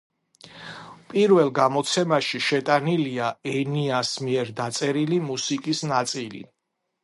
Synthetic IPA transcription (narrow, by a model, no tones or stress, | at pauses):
pʼiɾvɛlˠɡamɔt̪sʰɛmaʃiʃɛt̪ʼaniliaɛniasmiɛɾd̪at̪sʼɛɾilimusikʼisnat̪sʼilḭ